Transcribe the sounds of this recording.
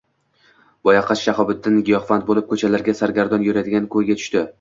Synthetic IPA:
bɒjɑqʰɑt͡ʃʃaχɒbɪt̪ːɪnɡʲɪjɒχfant̪̚bolˠɪp̚kʰɵt͡ʃʰalaɾɡʲasaɾɡʲaɾd̪ɒnjʊɾad̪ɪɡʲankʰɵjɡʲat̪ʰʊ̥ʃt̪ɪ

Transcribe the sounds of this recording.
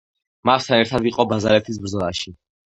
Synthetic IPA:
mast̪ʰanɛɾt̪ʰad̪iqʼɔbazaɾɛt̪ʰis̬bɾzɔlˠaʃi

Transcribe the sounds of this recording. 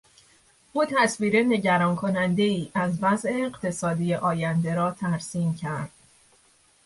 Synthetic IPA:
ʔuːt̪ʰæsviːɾe̞ne̞ɟæɾɒːnkʰo̞nænd̪e̞iːʔæzvæze̞ːɢt̪ʰe̞sɒːd̪ijeʔɒːjænd̪e̞ɾɒːt̪ʰæɾsiːmcʰæɾd̪̥

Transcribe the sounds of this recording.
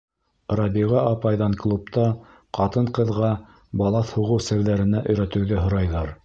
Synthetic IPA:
rɑbiʁɑʔɑpɑjðɑɴklˠup̚t̪ɑ | qɑt̪ɤɴqɤ̆ðʁɑ | bɑlˠɑθhuʁɤwsɘ̆ɾðæɾɘ̆næʔɵ̆jɾæt̪ɘ̆wðæɦŏɾɑjðɑɾ

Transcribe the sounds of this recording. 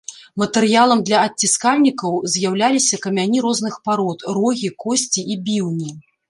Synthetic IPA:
mɐt̪ɛɾjalˠɐmd̪lʲɐɐt͡sːʲiskalʲnʲikɐwzʲjawlʲalʲisʲɐkɐmʲanʲiɾɔznɨxpaɾɔt̪rɔɣʲikɔsʲt͡sʲiʔibʲiwnʲi

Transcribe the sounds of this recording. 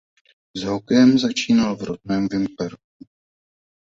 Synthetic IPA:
zɦokɛjɛmzat͡ʃiːnalvɾot̪̚nɛːmvɪmpɛɾk̚u

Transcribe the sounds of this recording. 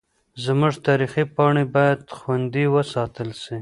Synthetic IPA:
zmuʐt̪ɑɾixipɑɳebɑjad̪xwand̪iwəsɑt̪əlsi

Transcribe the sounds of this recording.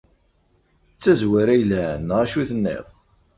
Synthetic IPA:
t͡sːæzwæɾæjlænʁæʃuθənːḛðˤ

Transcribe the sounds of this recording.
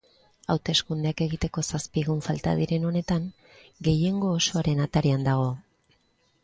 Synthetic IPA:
awt̪e̞skund̪eake̞ɣit̪e̞ko̞saspiɣuɱfalt̪a̰ð̞iɾe̞no̞ne̞t̪aŋ | ɡe̞je̞ŋɡo̞ːso̞aɾe̞nat̪aɾeand̪aɣ̞o̞

